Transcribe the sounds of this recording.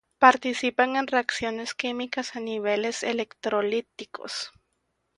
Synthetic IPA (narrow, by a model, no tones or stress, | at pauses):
paɾt̪isipaŋenreaksjoneskimikasaniβelesḛlekt̪ɾolit̪ikʰo̰s